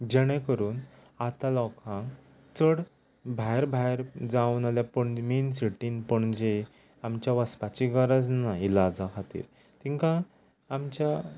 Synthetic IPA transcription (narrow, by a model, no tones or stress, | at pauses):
d͡ʑɛɽ̃ẽkəɾuːn | at̪ãlɔkʰãŋ | t͡səɽ | bʱajɾbʱaeɾd͡zawnaljapəɳminsiʈiːnpəɳd͡ʑe | amt͡ɕjaʋəspat͡ɕiɡəɾəd͡znailad͡zakʰat̪ḭːɾ | t̪ĩŋkãː | mt͡ɕja